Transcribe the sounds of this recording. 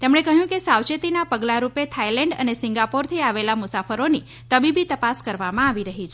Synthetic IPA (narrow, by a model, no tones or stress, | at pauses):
t̪emɳ̃ekəɦjũkesawt͡ʃet̪inapəɡlaɾupet̪ʰailɛ̃ɳɖə̰nesɪŋɡapoɾt̪ʰiaʋelamʊsafəɾoni | t̪əbibit̪əpaskəɾʋamãaʋiɾəɦit͡ʃʰ